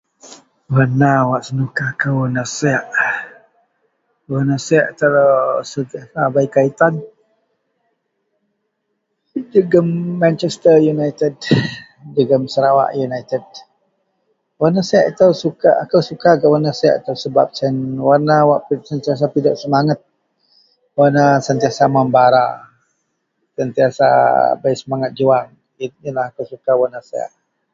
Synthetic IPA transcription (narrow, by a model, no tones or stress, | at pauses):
wanawaʔsənukakawanasɛaʔ | wanasaʔat̪aɾasəabaikait̪an | dəɡəmːant͡ʃɛst̪əjunajt̪əd | dəɡəmsəɾawa̰ʔjunajt̪əd̚ | wanasaaʔit̪awsuka̰akawsukaɡaʔwanasaja̰ʔat̪awsəbap̚sɛnwanawaʔpiʔsənt̪ias̬apidaʔsəmaŋat̪̚ | wanasənt̪iasamambaɾa̰ | sənt̪iasa̰baisəmaŋat̪̚d͡ʒuaŋ | inilahakawsukawanasaa̰ʔ